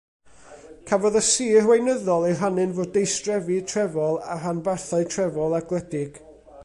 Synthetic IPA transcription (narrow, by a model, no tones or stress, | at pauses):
kʰavɔðəsiːrwejnəðɔlˠeɦanɨnvoːd̚ːejstrɛvitʰrɛvɔlˠaɦanbarθaɨtʰrɛvɔlˠaɡlˠɛdɪɡ̥